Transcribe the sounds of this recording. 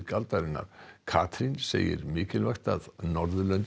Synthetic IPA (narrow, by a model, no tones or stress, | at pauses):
kalt̪aɾɪnːa̰ɾ̥kʰaːt̪ʰɾinsḛːjɪ̰ɾmɪːcɪlvajxt̪aðnɔɾðʏlœnt̪